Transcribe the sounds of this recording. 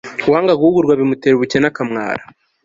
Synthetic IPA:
waːŋɡaɡuuɡuɾɡwaβimuteːɾuβucenakamŋa̰ːɾa

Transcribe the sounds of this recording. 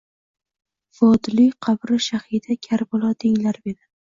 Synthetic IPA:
fɒd̪lijqʰɑbɾɪʃahid̪akʲʰaɾbɒlˠɒd̪ʰeŋlaɾɪbed̪ɪ

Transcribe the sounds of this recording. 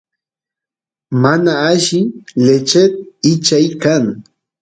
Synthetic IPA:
manaːʃɪlet͡ʃet̪̚ɪt͡ʃajkaŋ

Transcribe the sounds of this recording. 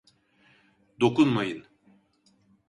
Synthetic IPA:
d̪o̞kunmajɯn

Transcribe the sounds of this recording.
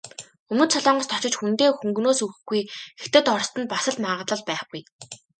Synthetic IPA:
ɵmɵ̆t̪t͡sʰɔɮɔːɴɢə̆st̪ʰɔt͡ɕɪ̆t͡ɕxunt̪eːxuŋɡnoːsɵxɘ̆xɡujet̪ɘ̆t̪ɔrst̪ə̆npasə̆ɮmaːʁə̆t̪ɮə̆ɮpæːχɡuj

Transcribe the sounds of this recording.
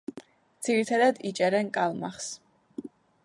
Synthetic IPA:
d̪z̥iɾit̪ʰad̪ad̪it͡ʃʼɛɾɛnkʼalˠmaχs

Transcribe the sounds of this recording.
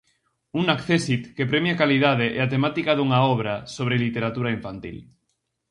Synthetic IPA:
unakθesit̪kepɾemjakaliðaðeʔḛat̪emat̪ikaðuŋaɔβ̞ɾasoβɾelit̪eɾat̪uɾaiɱfant̪ḭl

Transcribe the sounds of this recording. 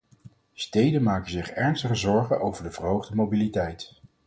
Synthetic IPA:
stejdənmaːkənzɪχɛɹnstəχəzɔɹχəʔowvəɹdəvərɦowχdəmobilitɛjt

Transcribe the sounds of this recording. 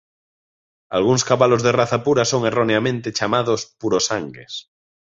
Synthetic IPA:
a̰lɣ̞uŋskaβalozðeraθapuɾasoŋeroneamẽnt̪et͡ʃamaðospuɾosaŋɡḛs

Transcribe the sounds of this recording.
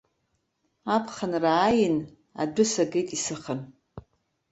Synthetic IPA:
apʰχənraːjɪn | a̰dʷʊsaɡejtʼisɨχən

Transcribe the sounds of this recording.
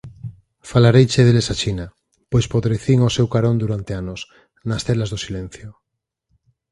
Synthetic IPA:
falaɾejt͡ʃeðelesat͡ʃina | pojspoðɾeθiŋosewkaɾond̪uɾant̪eanos | nast̪elazðosilẽn̟θjo

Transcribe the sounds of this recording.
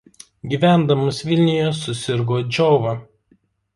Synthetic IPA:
ɡʲiːʋʲæˑnd̪ɐmʊsʋʲɪlʲnʲɪjoːsʊsʲɪɾɡoːd͡ʒʲɔʊʋɐ

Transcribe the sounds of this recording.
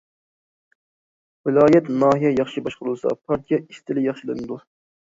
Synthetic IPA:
wɪlɑːjɛt̪nɑːɦijɛjɑχʃibɑʃqəɾɨlˠsɑ̰pʰɑɾt̪ʰijɑist̪ɪlɪjɑχʃilˠɨnɨd̪u

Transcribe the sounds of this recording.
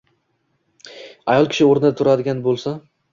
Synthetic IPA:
ajɒlˠkʲɪ̥ʃɪoɾnɪd̪at̪ʰʊɾad̪ɪɡʲanbolˠsa

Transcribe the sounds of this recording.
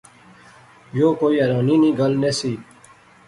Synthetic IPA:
joːkoːiɐɾɑ̃ːniːniːɡalnesiː

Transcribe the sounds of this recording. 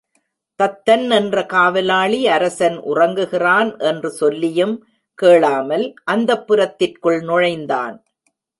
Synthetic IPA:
t̪ɐt̪ːɐnɛndrɐkaːʋɪlaːɭiɐɾɐsɐnʔʊ̰rɐŋɡɯɣɪraːnʔɛndrɯsɔlːɪjɯm | keːɭaːmɐlʔɐnd̪ɐpːʊɾɐt̪ːɪrkɯɭnʊɻɐɪnd̪a̰ːn

